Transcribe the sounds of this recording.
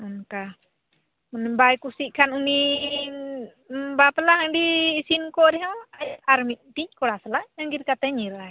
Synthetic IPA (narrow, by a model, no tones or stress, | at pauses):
mənka | mənbaikusikanuni | bapəlahadiːsinkɔɾɛɦaŋajaarmit̪̚d̪ikolasəlaʔɲaŋɡiɾikat̪aɲiɾa